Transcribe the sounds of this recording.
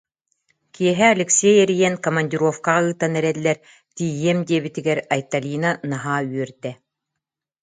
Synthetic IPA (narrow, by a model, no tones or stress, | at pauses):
kiɛɦɛɐlʲɛksʲɛjɛɾijɛnkɔmɐnʲd̪ʲiɾɔfkaʁaɯːt̪anɛɾɛlʲːɛɾ | t̪iːjiɛmd̪iɛbit̪iɡɛɾajt̪alʲiːnanaɦaːyœɾd̪ɛ